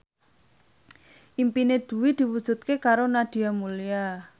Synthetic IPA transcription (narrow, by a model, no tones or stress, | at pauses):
ʔimpined̪̥ṳwid̪̥i̤wud̥ʒ̥ṳt̪̚kekaɾonad̪̥i̤amulia